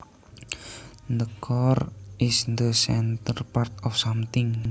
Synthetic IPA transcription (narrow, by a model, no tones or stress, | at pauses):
nd̪əkʰɔrʔɪsnd̪əsɛnt̪ərpart̪ɔfsamt̪ɪŋ